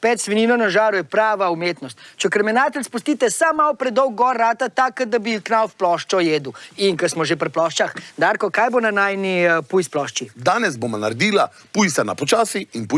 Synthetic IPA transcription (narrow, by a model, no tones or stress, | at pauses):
pɛt̪sʋɛniːnɔnaʒaːɾujɛpɾaːʋaumeːt̪nɔst̪t͡ʃɛkɾɛmɛnaːt̪ɛlʲspust̪iːt̪ɛsamːawpɾɛd̪d̪ɔwɡːɔɾːaːt̪at̪akad̪abiknawfplɔʃt͡ʃɔjeːd̪uiŋkɐsmɔʒepɾplɔʃt͡ʃaxd̪aːɾkɔkaːjbonanaːjnipujsplɔʃt͡ʃid̪aːnɛzbomanaɾd̪iːla | pujsana̰pɔt͡ʃaːsiinpu